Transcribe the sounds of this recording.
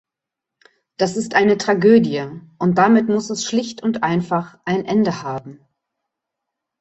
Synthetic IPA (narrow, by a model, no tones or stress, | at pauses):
d̥asɪstʔaɪnətʁ̥aɡøːdjəʔʊnt̚d̥amɪtmʊsɛsʃlɪçtʊntʔaɪnfaχʔaɪnʔɛndəhaːbm̩